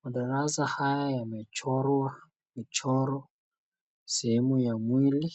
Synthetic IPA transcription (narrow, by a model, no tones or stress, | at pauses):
mʊdalazahajajamɛt͡ʃʰɔɾa | mɪt͡ʃʰɔɾɔ | semʊjamwiːli